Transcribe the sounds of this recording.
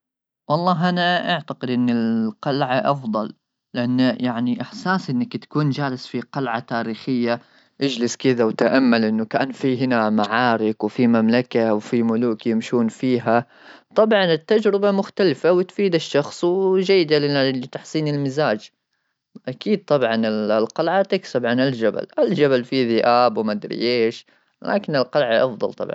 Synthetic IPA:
wɑlˤːɑːɦʔanaʔaʕt̪aqɪd̪ʔɪnːɪlqɑlʕaʔɑfd̪ˤɑlː | ɪʔanːjaʕniʔɪħsaːsʔɪnːakt̪ḁkuːnd͡ʒaːlɪsfiqalʕat̪aːɾiːxɪjːa | ʔad͡ʒlɪskɪd̪awt̪aʔamːalʔɪnːʊkaːnfiɦɪnamaʕɑːɾɪkwfimamlakawfimʊluːkjɪmʃuːnfiːɦa | t̪ˤɑbʕɑnɪt̪ːad͡ʒɾɪbamʊxt̪alfawɪt̪fiːd̪aʃːɑxsˤwd͡ʒajːɪd̪alɪɪt̪aħsˤiːnɪlmɪzaːd͡ʒ | ʔakiːd̪̚t̪ˤɑbʕɑnɪlqɑlʕat̪ɪksabʕanɪld͡ʒaba̰lʔald͡ʒabalfiðɪʔaːbwmad̪ɾḭjeːʃ | lʔa̰ːkɪnɪlqɑlʕaʔɑfðˤɑ̰lt̪ˤɑ̰bʕɑn

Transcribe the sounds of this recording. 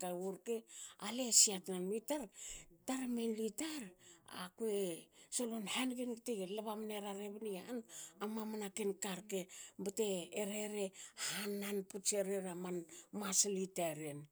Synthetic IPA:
kauɾkealesiatnanmitaɾtaɾmenlitaɾa̰kuesolonhanɡenɡteɡelaβamneɾaɾeβnianamamanakenkaɾkebate̞ːɾe̞ɾe̞hanːanput͡ʃeɾeɾamanmaslitaɾen

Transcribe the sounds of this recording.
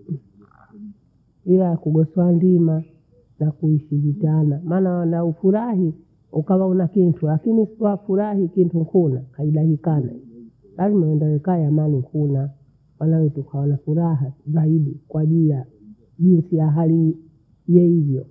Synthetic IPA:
iakuɡɔsɔandima | nakuiʃivitanamaːnawanaufuɾaɦi | ukawaunakintʰulakiniwafuɾahikintuŋkʰunakaiɗahikana̰ | lazimaɛndawɛkajamaliŋkʰuna | wanawɛtukʰawanafuɾaɦazaiɗikwaʄilija | ʄinsijaɦali | jɛivjɔ

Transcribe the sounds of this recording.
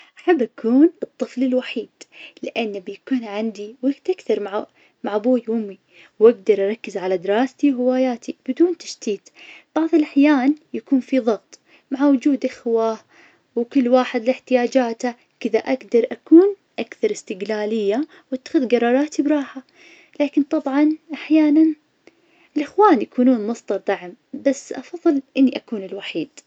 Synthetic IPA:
ʔʔaħabːʔakʰuːnɨt̪ˤːɨflɪlwaħiːd̪̥lɪʔanːbjakuːnʕand̪iwaɡt̪ʔakθɑɾˤmaʕ | maʕbuːjʊmːi | wʔaɡ̚d̪ɑɾˤʔɑɾˤɑkːɪzʕalad̪ɪɾɑːst̪iwɦɪwaːjaːt̪ʰib̥ɪd̪uːnt̪ḁʃt̪iːt̪b̥ɑʕðˤɨlʔaħjaːnjakuːnfiðˤɑɣt̪ˤ | maʕawʊd͡ʒuːd̪ʔaxwa | wkʊlːwaːħɪd̪lɪħt̪ɪjaːd͡ʒaːt̪a | kɪðaʔaɡd̪ɑɾˤʔakuːn | ʔakθɑɾˤɪst̪ɪɡlaːlɪjːa | wʔat̪ːḁxʊðɡɑɾˤɑːɾˤɑːt̪ibɾˤɑːħa | laːkɪnt̪ˤɑbʕɑnʔaħjaːnan | ɪlʔɪxwaːnjakuːnuːnmɑsˤd̪ɑɾˤd̪aʕmbasːʔɑfɑðˤːɨlʔɪnːiʔakuːnɪlwaħiːd̪

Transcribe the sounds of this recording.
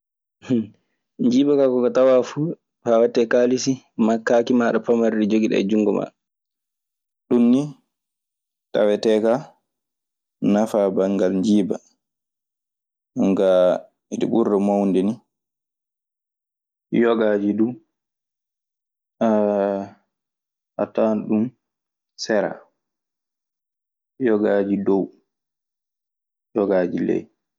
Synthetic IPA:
ɲd͡ʒiːbakakɔkatawafu | fawatːɛkalisi | makːaːkimaːɗɔpamaɾɗid͡ʒoɡiɗɛ̰d͡ʒuŋɡɔma̰ | ɗunːi | ta̰wɛtɛka | nafabaŋɡalɲd͡ʒiːba | ɗuŋɡa | iɗḭɓuɾdɔmawndɛni | jɔɡad͡ʒidu | a | a̰tanɗum | sɛɾa̰ | jɔɡaːd͡ʒidɔw | jɔɡaːd͡ʒilɛ̰j

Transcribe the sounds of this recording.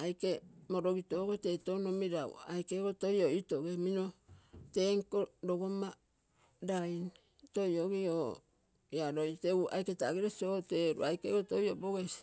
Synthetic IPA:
ajkemoɾoɡitoɡete̞tonomiɾaṵajkeɡotojoito̞ɡeminoteŋkoɾoɡoma | dajn | tojoɡio | jaɾojteua̰jketaɡiɾesoteɾṵajkeɡotojoboɡesi̥

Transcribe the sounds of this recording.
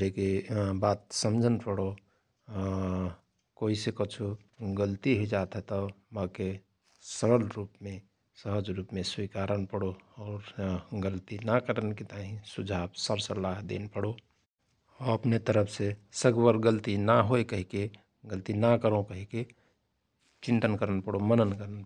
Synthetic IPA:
ekebaːt̪̚səmd͡ʒʱənpəɽo | koːisekət͡ʃʰu | ɡəlt̪iɦed͡ʒaːt̪ɦɛt̪ɔmake | səɾəlɾuːpmẽ | səɦəd͡ʒɾuːpmẽswikaːɾənpəɽoɔːɾɡəlt̪inakəɾənket̪aɦĩsud͡ʒʱaːbsəɾsəlːaːɦd̪ḛnpəɽo | ɔɾəpnet̪əɾəpʰsesəɡwəɾɡəlt̪inaɦoekəɦike | ɡəlt̪inakəɾõkəɦike | t͡ʃɪ̃nt̪ənkəɾənpəɽomənənkəɾən

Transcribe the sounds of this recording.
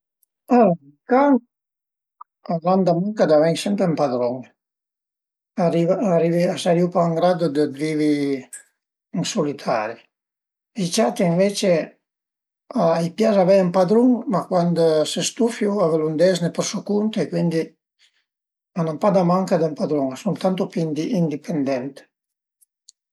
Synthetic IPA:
a | kaŋ | aland̪amaŋkad̪avɛŋsɛmpɾempad̪ɾɔŋ | arivaariviasaɾiupaŋɡɾad̪od̪əd̪viːvi | iŋsolit̪ʰa̰ːɾi | it͡ʃat̪iiɱvet͡ʃe | ajpjazavɛjampad̪ɾuŋmakwand̪sest̪ufjuavelund̪ɛznepəɾsokunt̪ekwind̪i | manampad̪amaŋkad̪əmpad̪ɾuŋasunt̪ant̪opnd̪iind̪ipʰend̪ɛnt̪e̥

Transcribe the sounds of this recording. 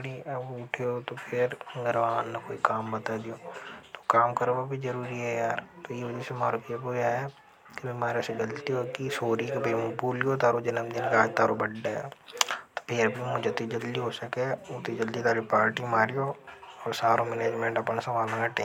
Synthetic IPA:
ɽiɐbʊʈʰijot̪opʰɪɾɡɐɾʋaːnːɐkoːikaːmbɐt̪aːd̪ijoːt̪o̥kaːmkɐɾbabʱizɐɾuːɾiɦɛjaːɾt̪oiʋɐd͡ʒəsemaːɾpijɐboːjaɦe | kibɪmaːɾeseɡɐlt̪iɦokisoːɾikebimũbuːliot̪aːɾod͡ʒɪnəmd̪ɪnkaːd͡ʒt̪aːɾobɐɖːaɛt̪o̥pʰɪɾbʱimʊd͡ʒɐt̪id͡ʒɐld̪iɦosɐkeot̪id͡ʒɐld̪it̪aːɾipaːɾʈimaːɾijoːɔːɾsaːɾõmɛneːd͡ʒmẽɳʈɐpəñasɐʋaːlnɐkɐʈẽ

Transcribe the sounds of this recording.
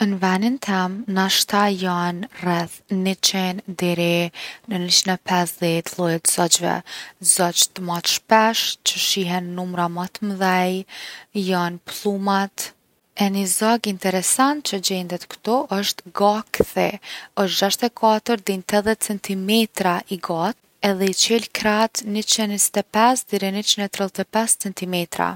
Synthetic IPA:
ənvɛnint̪ʰɛmnaʃt̪ajanrɛθːit͡ʃɛnd̪ɛɾinəniʃinɛpɛsðɛt̪lˠujɛt̪z̥ɔt͡ʃvɛ̰zɔt͡ʃt̪əmat̪ʃpɛʃt͡ɕəʃiɦɛnːumɾamat̪məðɛjjanplˠumat̪ | ɛnizaɡint̪ɛɾɛsant̪̚t͡ʃəd͡ʑɛnd̪ɛt̪kt̪ɔʔəʃt̪ɡakθɛəʃt̪d͡ʑaʃt̪ɛkʰat̪əɾd̪int̪ɛðɛt͡sɛnt̪imɛt̪ɾaʔiɡat̪ | ɛðɛit͡ʃɛlkɾat̪nət͡ʃɛnist̪ɛpɛsd̪iɾinət͡ʃinɛt̪ɾilˠt̪ɛpɛst͡sɛnt̪imɛt̪ɾa̰

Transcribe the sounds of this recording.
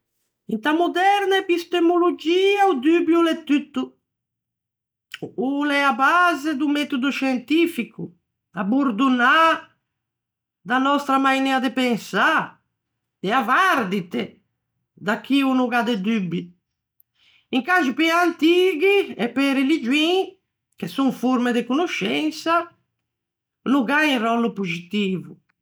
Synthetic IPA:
int̪amud̪ɛɾnaɛpist̪emolod͡ʒiːaud̪ybjulɛt̪ːyt̪ːu | ulɛabazed̪umɛt̪ud̪uʃɛnt̪ifiku | abuɾd̪una | d̪anɔst̪ɾamajnɛad̪epɛŋsa | d̪eavaɾd̪it̪e | d̪akːiunuɡad̪ed̪ybi | iŋkaʒupɛant̪iɡiɛpɛɾelid͡ʒwĩ | kesũŋfuɾmed̪ekunuʃɛnsa | nuɡaĩrɔlupuzit̪iːvu

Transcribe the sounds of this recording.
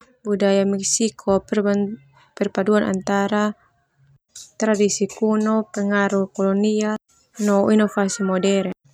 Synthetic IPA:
budajamɛksikʰɔ | pɛrpaduanʔa̰nt̪aɾa | t̪ɾadisikunɔpɛŋaɾukɔlɔnia | nɔinɔfasimɔdɛɾ

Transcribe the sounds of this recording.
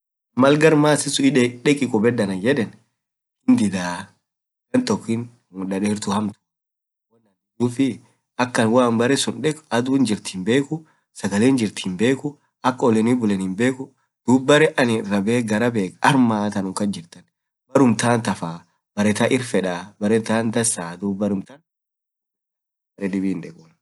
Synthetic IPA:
mɐlɡɐɾmaːsɪsʊɪᶑɛkʼɪkʼʊbɛdːɐnɐd͡ʒɛᶑɛn | hɪnd̪ɪd̪aː | ɡɐnt̪ɔkːɪn | ʊnɗɐᶑeːɾt̪ʊhɐmt̪ʊ̥ | wɔnːɐnʊd̪uːfɪ | ɐkːɐnwaːnbɐɾɛsʊnᶑɛkʼɐd̪ʊnd͡ʒɪɾt̪i̥ːnbeːkʊ | sɐɡɐleːnd͡ʒɪɾt̪ʰinbe̞ːkʊ | ɐkːɔlɛnibʊlɛnhɪmbe̞ːkʊ | d̪̥uːbːɐɾɛʔɐnɪɾɐbeːɡɐɾɐbeːkɐɾmaːt̪ɐnʊŋkɐnd͡ʒɪɾt̪ɐn | bɐɾʊmt̪aːnt̪ɐfaː | b̥ɐɾɛt̪ɐʔɪɾfɛᶑaːbɐɾɛt̪aːnd̪ɐsaːd̪uːbɐɾʊmt̪ɐn | bɐɾɛᶑɪbiːnᶑɛkʼʊn

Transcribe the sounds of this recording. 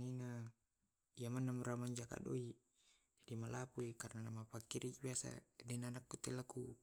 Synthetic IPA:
ina | ijamanːamuɾamaɲd͡ʒaka̰doi | d͡ʒadimalapuikarnanamapakːiɾibiasa̰dɛnanakːut̪elaku

